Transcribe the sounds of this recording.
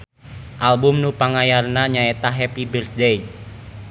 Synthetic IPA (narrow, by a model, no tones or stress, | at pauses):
ʔalbʊmnupaŋajarnaɲaɛt̪aɦɛpibərdɛjn